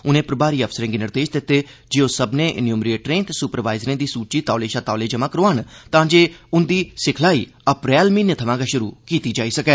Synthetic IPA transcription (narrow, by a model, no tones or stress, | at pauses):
ʊnẽːpɾbaːɾiːəfʰsəɾẽːɡɪnɪɾd̪eːd͡ʒd̪ɪt̪ːeːd͡ʒeːoːsəbnẽːʔɪnjuːmɾiːʈɾẽːt̪esʊpəɾʋaːɪzɾẽːd̪iːsuːt͡ʃiːt̪aːleːʃaːt̪aːleːd͡ʒəmãːkəɾoːaːnt̪ãːd͡ʒeːʊnd̪iːsɪkʰlaːiːəpɾɛːlmiːnjət̪ʰəʋãːɡaʃʊɾṵːkiːt̪iːd͡ʒaːiːsəkɛː